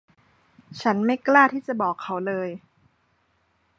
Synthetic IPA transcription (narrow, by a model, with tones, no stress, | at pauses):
t͡ɕʰa˦˥nma˥˩jklaː˥˩t̪ʰiː˥˩t͡ɕa˨˩bɔː˨˩kʰːa˦˥wlɤː˧j